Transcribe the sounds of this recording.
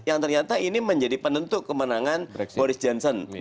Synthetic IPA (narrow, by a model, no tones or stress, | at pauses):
jaŋt̪ərɲat̪ainiməɲd͡ʒadipənənt̪ʊʔkəmənaŋanbɔɾɪsd͡ʒɔnsɔn